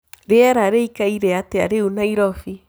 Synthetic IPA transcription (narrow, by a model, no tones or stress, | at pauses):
ɾeaɾaɾeikaiɾɛatea̰ɾeunaiɾɔfi